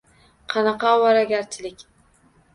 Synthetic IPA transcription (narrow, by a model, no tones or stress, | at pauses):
qʰɑnɑqɑwɑɾaɡʲaɾt͡ʃʰɪlɪkʲ